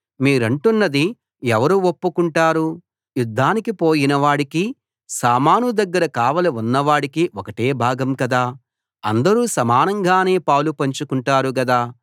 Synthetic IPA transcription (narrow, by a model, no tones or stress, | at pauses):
miːɾɐɳʈunːɐd̪i | ɛʋɐɾuopːukuɳʈaːɾu | jud̪ʱːaːnikipo̞ːjinɐʋaːɽiki | saːmaːnud̪ɐɡːɐɾɐkaːʋɐlɐunːɐʋaːɽikiɔkɐʈe̞ːbʱaːɡɐmkɐd̪aː | ɐ̰nd̪ɐɾuːsɐmaːnɐŋɡaːne̞ːpɐwlupɐɲt͡ʃukuɳʈaːɾuɡɐd̪aː